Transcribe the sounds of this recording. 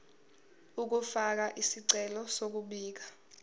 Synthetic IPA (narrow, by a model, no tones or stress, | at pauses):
uk̬ufak̬aʔisiǀɛlɔsok̬uɓiːk̬ḁ